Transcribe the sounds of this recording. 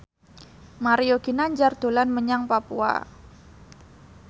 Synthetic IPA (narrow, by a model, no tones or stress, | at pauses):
maɾioɡ̥inaɲd͡ʒard̪̥o̤lanməɲaŋpapua̰